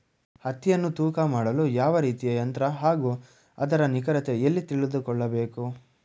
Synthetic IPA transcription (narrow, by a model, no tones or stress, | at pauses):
hɐt̪ːijɐnːut̪uːkɐmaːɽɐluːjaːʋɐɾiːt̪ijɐːjɐnt̪ɾɐɦaːɡuː | ɐ̰d̪ɐɾɐnikɐɾɐt̪e̞elːit̪iɭid̪ukɔɭːɐbeːku